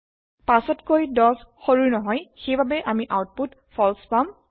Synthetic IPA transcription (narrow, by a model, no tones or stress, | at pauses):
pasɔtkojdɔsxoɹuɹnɔɦɔjxejbabɛʔamiʔawt̚put | pʰɔlspam